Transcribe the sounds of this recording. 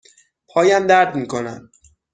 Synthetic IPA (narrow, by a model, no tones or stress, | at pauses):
pʰɒːjæmd̪æɾd̪miːkʰonæ̰nd̪